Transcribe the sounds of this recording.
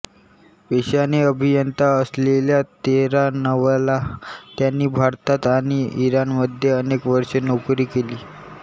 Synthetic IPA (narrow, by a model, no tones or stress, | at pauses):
ʋeɕjaneəbʱijənt̪aəsleljat̪eɾanəʋalat̪janːiːbʱaɾt̪at̪aɽ̃iiɾanməd̪ʱːjeənekʋəɾʂenokɾiːkeliː